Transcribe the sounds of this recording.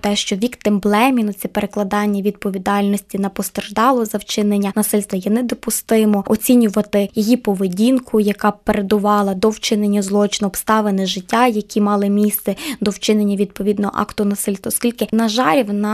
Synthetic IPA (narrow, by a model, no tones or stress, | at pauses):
t̪ɛʃt͡ʃɔʋʲikt̪ɪmblˠɛmʲinʊt͡sʲɛpeɾeklˠɐd̪ɑnʲːɐʋʲid̪̚pɔʋʲid̪ɑlʲnɔsʲtʲinɐpɔst̪erʒd̪ɑlˠɔzɐwt͡ʃɪnenʲːɐnɐsɪlʲst̪ʋɐjɛnɛd̪ɔpʊst̪ɪmɔɔt͡sʲinʲʊʋɐt̪ɪjɔjipɔʋedʲinkʰʊjɐkɑpeɾed̪ʊʋɑlˠɐd̪ɔwt͡ʃɪnenʲːɐzlˠɔt͡ʃɪnɔɔpst̪ɑʋenɪʒɪtʲːajɐkʲʰimɑlˠɪmʲist̪sɛd̪ɔwt͡ʃɪnenʲːɐʋʲid̪̚pɔʋʲid̪nɔɦɔ̰ʔɑ̰kt̪ʊnɐsɪlʲst̪ʋɐɔsʲkʲilʲkɪnɐʒɑɾʲiwnɐ